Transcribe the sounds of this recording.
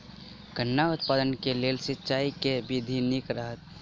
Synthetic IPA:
ɡ̥ʱənːaʊt̪̚paːd̪ənkeleːlsɪtːt͡ʃaːikebɪd̪ʱinɪkɾəɦət̪̚

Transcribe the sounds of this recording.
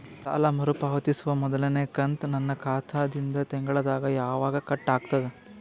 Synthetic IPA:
t̪a̰ːlɐmɐɾupaːʋɐt̪isuʋɐmɔd̪ɐlɐnekɐnt̪nɐnːɐkʰaːt̪ʰaːd̪ind̪ɐt̪ɛŋɡɐɭɐd̪aːɡɐjaːʋaːɡɐkɐʈːaːɡt̪ɐd̪e

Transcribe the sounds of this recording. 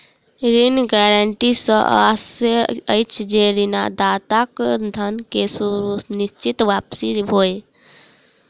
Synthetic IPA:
ɾinɡɛːɾəɳʈisə̰̃ʔaseəjt͡ʃʰd͡ʒeɾinad̪aːt̪akd̪ʱənkesuɾunist͡ʃit̪ʋaːpsibʱoe

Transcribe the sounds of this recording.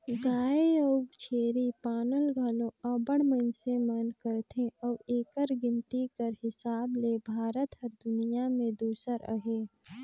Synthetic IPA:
ɡaːeəʊɡt͡ʃʰeːɾipaːnəlɡʱɐlõɐbəɽ̃mənsemənkəɾt̪ʰẽɔːeːkəɾɡɪ̃nt̪ikəɾɦɪsaːblebʱaːɾət̪ɦəɾd̪ʊnijamẽd̪uːsəɾə̰ɦeː

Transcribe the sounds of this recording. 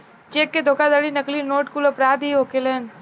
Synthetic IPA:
t͡ʃeːkːed̪ʱoːkad̪aːɽinəklinoːʈkulɐpɾaːd̪ɦiɦoːkeleːn

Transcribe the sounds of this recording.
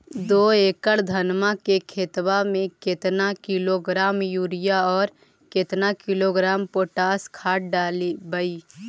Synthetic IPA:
d̪oːeːkəɽd̪ʱənmakekʰeːt̪wamẽket̪nakɪloɡɾaːmjuːɾɪjaɔːɾ | ket̪nakɪloɡɾaːmpoːʈaːskʰaːʈ̚ɖaːlibəi

